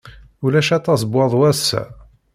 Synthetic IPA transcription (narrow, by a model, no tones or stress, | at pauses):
ulæʃæt̪ˤːɑsˤbwɑðˤwæsːæ̰